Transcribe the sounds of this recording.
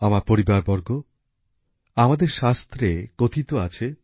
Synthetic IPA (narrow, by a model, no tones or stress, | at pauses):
amaɾpoɾibaɾbɔɾɡo | amad̪eɾʃast̪ɾeɡ̥ot̪ʰit̪oat͡ɕʰe